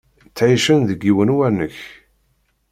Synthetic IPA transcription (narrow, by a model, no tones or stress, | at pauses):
t͡sːʕiʃənðəɡːiwənwænːəç